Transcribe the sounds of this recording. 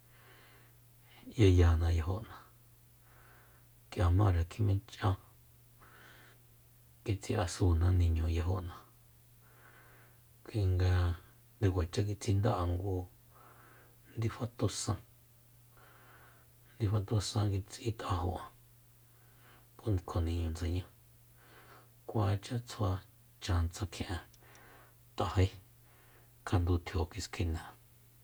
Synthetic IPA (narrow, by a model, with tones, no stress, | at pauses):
je˧ja˨nã˧ja˧ɦo˧ʔnã˨ | kja˨mã˦˨ɾa˨kʰi˧mẽ˧t͡ʃʔã˦ | ki˧t͡si˧ʔa˧suː˧nã˧nĩ˧ɲõ˨ja˧ɦo˧˨ʔnã˧ | kʷi˧ŋɡa˧ | d̪e˧kʷa˨t͡ʃa˦k̬i˧t͡si˧nd̪a˦ʔa˧ŋɡu˧ | nd̪i˧fa˦t̪u˧sã˧ | nd̪i˧fa˧t̪u˧sã˧ki˧t͡sʔĩ˦t̪a˧ɦo˧ã˨ | po˦ni˧kʰo˨nĩ˧ɲũ˧˨nd͡ze˨ɲã˦ | kʷa˧t͡ʃa˦t͡sʰa˧ | t͡ʃã˧nt͡sã˧kʰj̃ʔã˧ | t̪a˨he˦ | kʰa˧nd̪u˧t̪ʰjo˨ki˧skʰi˧nã˨